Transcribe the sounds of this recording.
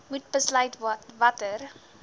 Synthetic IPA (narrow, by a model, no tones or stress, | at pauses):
mut̚bəslœɥtvɐtər